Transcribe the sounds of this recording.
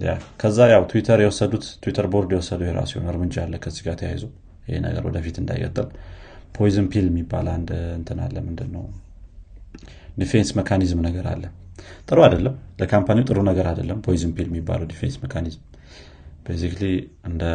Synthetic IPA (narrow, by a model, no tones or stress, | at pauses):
ja̰kʰəzːajawt̪ʰuwit̪ʰəɾjɛwɔsːəd̪ut̪ʰːuwit̪ʰəɾbo̞ɾd̪jɛwɔsːəd̪ujeeɾa̰siho̰nɨɾmɨd͡ʒaalːəkʰəzːiɡat̪ʰja̰jzow | jɪhḛnə̰ɡə̰ɾwɔ̰d̪əfit̪ɨnd̪a̰j̰kʼːət̪ʼːɨlpʰojizɨmpʰiljɛmːibːaland̪ɨnt̪ʰɨna̰lːəmːɨnd̪ɨnːəw | d̪ifensməkʰanizmnəɡəɾa̰lːə | t̪ʼɨɾuad̪əlːəmləkʰampʰaniut̪ʼɨɾunəɡəɾad̪əlːəmpʰojizɨmpʰiljɛmːibːa̰ləwd̪ife̞̰nsməkʰanizm | b̥ejsikliɨnd̪ə